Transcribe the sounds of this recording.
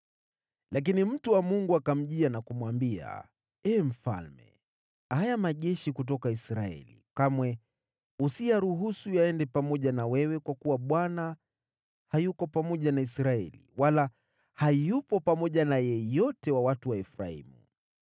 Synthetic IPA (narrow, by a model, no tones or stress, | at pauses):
lak̬inim̩tuwamuŋɡuakam̩ʄianakumwambia̰ | ɛːm̩fa̰lmɛ̰ | hajamaʄɛʃikut̬ɔkaisɾaɛ̰lḭkamwɛ | usijaɾuɦusujaɛndɛpamɔʄanawɛwɛkwakuwaɓwana | hajukɔpamɔʄanaisɾaɛ̰lḭwala | hajupɔpamɔʄanajɛjɔtɛwawatuwaɛfɾa̰ḭmṵ